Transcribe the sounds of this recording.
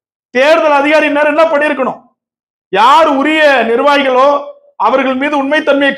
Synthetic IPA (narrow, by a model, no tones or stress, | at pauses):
t̪eːɾðɐlɐðɪɣaːɾɪneːɾɛnːɐpɐɽɪɪɾɯkːɐɳʊ̰̃ | jaːɾʊɾɪjɐnɪɾʋaːɣɪɣɐɭoː | ɐʋɐɾɣɐɭmiːðɯʊnmɐɪt̪ːɐnmɪjɐkː